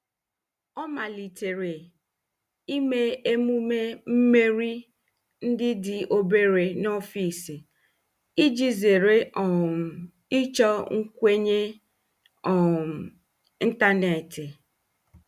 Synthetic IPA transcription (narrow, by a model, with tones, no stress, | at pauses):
ɔ˦ma˨li˨te˨ɾe˨ | i˦me˦e˦mu˦me˦m̩˦me˦ɾi˦ | n̩˦dɪ˦dɪ˨o˨be˦ɾe˨nɔ˦fi˨si˨ | i˦d͡ʒi˦ze˨ɾe˦ɔ˨ | i˦t͡ʃɔ˦ŋ̩˦kʷe˦ɲe˦ | ɔ˨m˨ | i˦n̩˦ta˦ne˨tɪ˨